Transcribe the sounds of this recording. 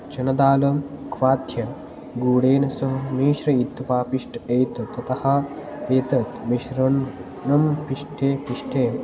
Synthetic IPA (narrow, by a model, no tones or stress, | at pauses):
t͡ʃɐnɐd̪aːlɐmkʰʋaːd̪ʱjɐ | ɡuːɽeːnɐsɐɦɐmiːʃɾɐit̪ʋaːpiʂʈʰeːt̪ɐt̪ɐt̪ɐhɐ̆ | eːt̪ɐt̪miʃɾɐn | nɐmpiʂʈʰeːpiʂʈʰeː